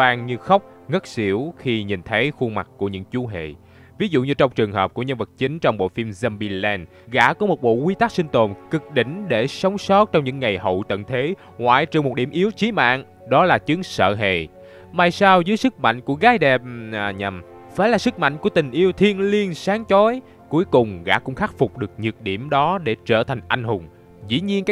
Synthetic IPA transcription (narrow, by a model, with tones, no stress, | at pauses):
aː˧ŋɲɨ˧xə˦˥wk͡p̚ŋə˦˥t̚si˧˩əwxi˧ɲi˨˩nt̪ʰə˨˦jxu˧ma˨˩k̚ku˧˩əɲɨ̰˧˥ŋt͡ɕu˨˦ɦḛ˧˨ | vi˨˦zṵ˧˨ɲɨ˧t͡ɕɔ˧wŋ͡mt͡ɕɨ˨˩əŋɦəː˨˩p̚ku˧˩əɲə˧nvə˨˩t̚t͡ɕï˨˦ŋ̟t͡ɕɔ˧wŋ͡mɓo̰˧˨fi˧mzɛ˧mɓi˧lɛː˧n | ɣa̰ː˧˥kɔ˨˦mo˨˩t̚ɓo̰˧˨kwi˧˦t̪a˦˥k̚si˧ŋ̟t̪o˨˩nkɨ˨˩k̚ɗḭ̈˧˨ŋ̟ɗe˧˩sə˨˦wŋ͡msɔ˦˥t̚t͡ɕɔ˧wŋ͡mɲɨ̰˧˥ŋːa˨˩jɦə̰˧˨wt̪ə̰˧˨nt̪ʰe˨˦ | ŋwa̰ː˧˨jt͡ɕɨ˧˨˩ŋmo˨˩t̚ɗi˧˩əmʔi˨˦əwt͡ɕi˨˦ma̰ː˧˨n | ɗɔ˨˦laː˨˩t͡ɕɨ˨˦əŋsə̰ː˧˨ɦḛ˧˨ | maː˨˩jsaː˧wzɨ˨˦jsɨ˦˥k̚ma̰˧˨jŋ̟ku˧˩əɣaː˨˦jɗɛ˨˩p̚ːɲə˨˩m | faː˧˩jlaː˨˩sɨ˦˥k̚ma̰˧˨ŋ̟ku˧˩ət̪ï˨˩ŋ̟ʔi˧əwt̪ʰi˧ənli˧ənsaː˨˦ŋt͡ɕɔ˨˦j | ku˨˦əjkʊ˨˩ŋ͡mɣa̰ː˧˥kʊ̰˧˥ŋ͡mxaː˦˥t̚fʊ˨˩k͡p̚ɗɨ˨˩ək̚ɲɨ˨˩t̚ɗi˧˩əmɗɔ˨˦ɗe˧˩t͡ɕəː˧˩t̪ʰa˨˩jŋ̟ʔa˧ŋ̟ɦʊ˨˩ŋ͡m | zḭ˧˥ɲi˧ənka˦